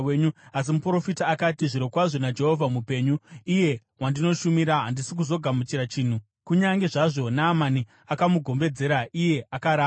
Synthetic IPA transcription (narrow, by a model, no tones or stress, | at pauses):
eɲuas̬imupro̞fitaːkatiʐiɾokwaʐo̞nad͡ʒe̞ɦo̞vʱamupe̞ːɲuije̞ | wandino̞ʃumiɾaɦandisik̬uzo̞ɡʱamut͡ʃiɾat͡ʃiːn̤u | kuɲaŋɡe̞ʐaʐo̞naːmani | akamuɡʱo̞mbe̞d͡ze̞ɾaʔije̞ʔakaɾa